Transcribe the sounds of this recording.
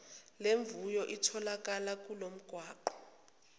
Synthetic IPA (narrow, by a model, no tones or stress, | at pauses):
leɱvujɔʔitʰɔlak̬ʼalak̬ʼulom̩ɡ̥ʱwaːǃɔ̥